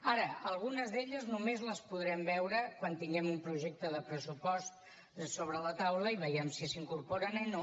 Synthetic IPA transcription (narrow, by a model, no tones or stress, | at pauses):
aɾəəlˠɣ̞unəzðeʎəznumezləspuðɾɛmbɛwɾəkwant̪iŋɡɛmumpɾuʒek̚t̪əðəpɾəsupɔst̪̚ | soβɾələt̪awləiβəjɛmsisiŋkuɾpoɾənɛn